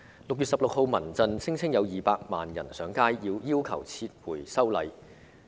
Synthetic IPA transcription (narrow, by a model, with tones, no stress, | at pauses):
lʊ˨k̚jy˨t̚sɐ˨p̚lo˨k̚ho˨˧wmɐ˨˩nt͡sɐ˧nt͡sʰɪ˥ŋt͡sʰɪ˥ŋjɐ˨˧wjiː˨˩paː˧k̚ma̰ː˨njɐ˨˩nsœː˨˥ŋkaː˥jːiː˧wjiː˥wkʰɐ̰˨˩wt͡sʰiː˧t̚wuː˨˩jsɐ˥wlɐ˨˧j